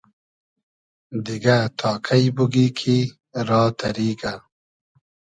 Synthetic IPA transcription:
d̪iɡat̪ʰɑːkʰajbuɡikʰi | ɾɑːt̪ʰaɾiːɡa

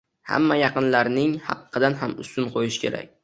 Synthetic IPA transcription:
ha̰mːajɑqɨnlaɾnɪŋhɑ̰qʰːɨd̪anɦamʊ̰st̪ʊnqʰojɪʃɪ̥kʲʰe̞ɾa̰k̚ʲ

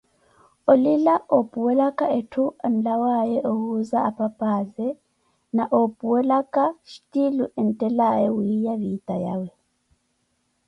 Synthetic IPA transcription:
olilaʔopʼuwɛlakʼaʔetʰuan̩lawajɛʔohuzaapʼapʼazɛ | naʔopʼuwɛlakʼaʃtʼiluʔɛn̩tʼɛlajɛwiijaβitʼaja̰wɛ

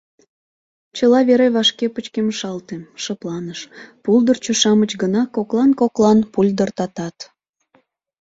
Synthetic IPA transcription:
t͡ɕəlɑβeɾeβɑʃkepət͡ɕkemʃɑlt̪emʃəplɑnəʃpuld̪ərt͡ɕuʃɑmət͡ɕɡənɑkoklɑnkoklɑnpulʲd̪ərt̪ɑt̪ɑt̪

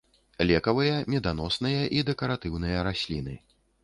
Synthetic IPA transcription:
lʲɛkɐvɨjɐmʲɛd̪anɔsnɨjɐʔid̪ɛkɐɾat̪ɨwnɨjɐɾasʲlʲin̪ɨ

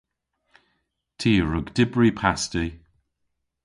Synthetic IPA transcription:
tʰiːɹʊɡdɪbɹipʰasti

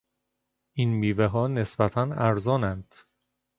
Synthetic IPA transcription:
ʔinmiːveɦɒːne̞sbæt̪ʰænæɾzɒːnænd̪̥

